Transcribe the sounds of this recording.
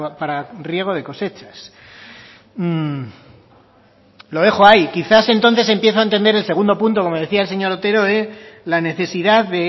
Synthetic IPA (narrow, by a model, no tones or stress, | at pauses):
paɾarje̞ɣ̞o̞ð̞e̞ko̞se̞t͡ʃḁs | lo̞ðe̞xoajkiθase̞nt̪o̞nθe̞s̬e̞mpje̞θoaent̪e̞nd̪eɾe̞lse̞ɣund̪o̞punt̪oko̞mo̞ð̞e̞θiaelse̞ɲo̞ɾot̪e̞ɾo̞elane̞θe̞siðaððe̞